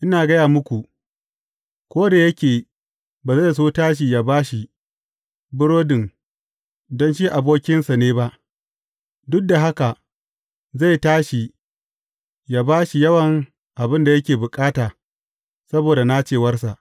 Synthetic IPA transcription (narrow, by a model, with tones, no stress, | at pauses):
ʔɪ˦naː˨ɡɐ˦jaː˨mʊ˦kʷu˨ | kʷoː˦da˨jɐ˦kʲeː˨ | baː˨za˦˨js̬oː˦taː˦ʃ̬i˨jaː˨baː˦ʃi˨ | bɪ˦ɽoː˦dɪ˨ŋ | dɔ˦nʃi˦ʔa˨boː˦kʲɪ˦nsa˨neː˦ba˦ʔ | dʊ˦k̚da˨ɦa˦ka˨ | za˦˨jtaː˦ʃi˨ | jaː˦baː˦ʃi˨jɐ˦wɐ˨ŋ | ʔa˨bɪ˦nda˨jɐ˦kʲeː˨bʊ˨kʼaː˦taː˨ | sɐ˦boː˨da˨na˦t͡ʃeː˨wɐ˦rs̬a˨ʔ